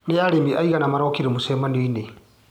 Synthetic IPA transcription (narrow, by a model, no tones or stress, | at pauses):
neaɾembiʔaiɣanamaɾɔkiɾemusemaniːne